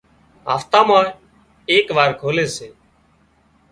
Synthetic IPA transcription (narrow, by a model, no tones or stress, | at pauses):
ɦa̰ːft̪ãːmãː | eːkʋaːɾkʰoːleːseː